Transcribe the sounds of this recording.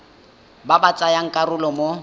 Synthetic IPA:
babat͡sʼajaŋ̩kʼarʊlɔmo

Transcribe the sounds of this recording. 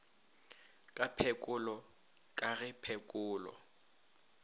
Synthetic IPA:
kʼapʰɛkʼʊlɔ | kʼaɣɪpʰɛkʼʊːlɔ̰

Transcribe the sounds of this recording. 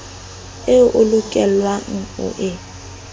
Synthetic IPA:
eʔʊlʊkʼɛlwaŋ̩ʊ̰ʔɪ

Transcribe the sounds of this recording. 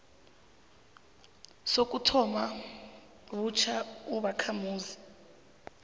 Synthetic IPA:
sok̬ʼutʰɔma | βut͡ʃʰauβakʰamuːzi

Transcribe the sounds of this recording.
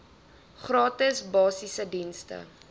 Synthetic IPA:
χrɑːtəsbɑːsisədinstə̰

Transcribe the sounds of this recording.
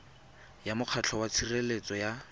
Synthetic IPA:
jamʊq͡χʰat͡ɬʰɔwat͡sʰirelet͡sɔja

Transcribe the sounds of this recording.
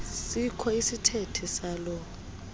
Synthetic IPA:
sikʰɔisitʰetʰisaːlɔ

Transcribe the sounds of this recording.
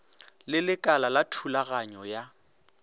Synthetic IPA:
lɪlɪkʼalalatʰulaɣaɲɔja

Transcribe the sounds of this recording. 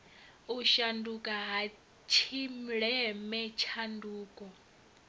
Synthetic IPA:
uʃandukʼaɦa | t͡ʃʰim̩ɺɛmɛt͡ʃʰanduːkʼɔ

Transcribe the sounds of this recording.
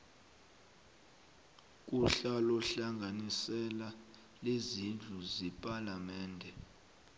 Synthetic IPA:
k̬ʼuɬalɔɬaŋɡʱanisɛla | lezind͡ɮʱuzɛpʼalamɛːndʱɛ

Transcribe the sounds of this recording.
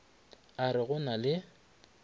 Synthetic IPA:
aɾɪɣʊnalɪ

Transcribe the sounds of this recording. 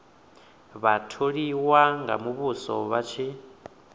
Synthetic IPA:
βatʰoɺiwaŋɡa̰muβusɔ̰βat͡ʃʰi

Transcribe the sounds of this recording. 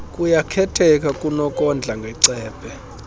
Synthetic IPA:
kʼujakʰɛtʰɛk̬ʼakʼunɔkʼɔnd͡ɮʱaŋɡʱɛǀɛːb̥ʰʱʼɛ

